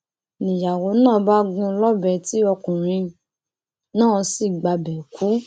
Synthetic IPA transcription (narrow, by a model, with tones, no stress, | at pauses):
nĩ˨ja˨wo˨˦nãː˦˨˦ba˦ɡũ˧lɔ˦bɛ˨ti˨˦ɔ˧kũ˨ɾ̃ĩ˧ | nãː˦˨si˦˨ɡ͡ba˧bɛ˨kʰu˨˦